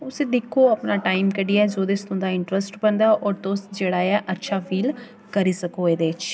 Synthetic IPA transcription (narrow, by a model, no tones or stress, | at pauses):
ʊsẽd̪ɪkʰːoːəpnaːʈaːimkəɖiːaːd͡ʒoːd̪est̪ʊ̃nd̪aːɪɳʈɾəsʈbənd̪aːʔɔːɾt̪oːsd͡ʒeːɽaːɛːʔətːʃʰaːpʰiːl | kəɾiːsəkoːeːd̪eːɪt͡ʃ